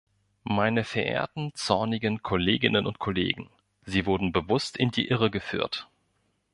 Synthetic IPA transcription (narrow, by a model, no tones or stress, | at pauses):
maɪnəfɛɐʔḛːɐtn̩t͡sɔɐnɪɡənkʰɔleːɡɪnənʊ̰nt̚kʰolḛːɡŋ̩ | ziːvʊɐdn̩bəvʊstɪndḭːʔɪʁ̞əɡəfy̰ːɐt